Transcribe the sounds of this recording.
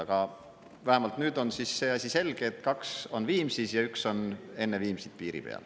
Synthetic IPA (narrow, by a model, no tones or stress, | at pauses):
ɑɡ̥ɑ | væhemɑlt̪nyːd̪o̞nsisːe̞ːɑsʲise̞lɡ̥eːt̪ːˑkɑkso̞nviːmsisjɑykso̞ne̞nːe̞viːmsid̪̥̚piːɾḭpe̞̰ɑ̰l